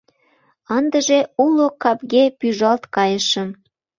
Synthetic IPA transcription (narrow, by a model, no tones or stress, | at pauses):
ɑnd̪əʒeulokɑpɣepyʒɑlt̪kɑjəʃə̆m